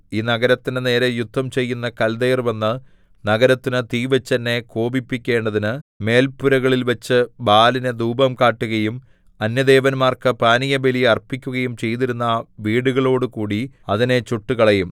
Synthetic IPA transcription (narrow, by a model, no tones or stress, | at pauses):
iːnɐɡɐɾɐt̪ːinɨne̞ːɾejud̪ʱːɐmt͡ɕe̞jːunːɐkɐld̪ejrʋɐnːɨ | nɐɡɐɾɐt̪ːinɨt̪iːʋɐt͡ɕːɐnːe̞koːbipːikʲːe̞ːɳɖɐðinɨme̞ːlpuɾɐɣɐɭilʋɐt͡ɕːɨbaːlinɨd̪uːbɐmkaːʈːuɣɐjum | ɐnjɐd̪e̞ːʋɐnmaːrkɨpaːnijɐbelijɐrpːikʲːuɣɐjumt͡ɕe̞jt̪iɾunːɐʋiːɽuɣɐɭo̞ːɽukuːɽiɐðine̞t͡ɕuʈːuɣɐɭɐjum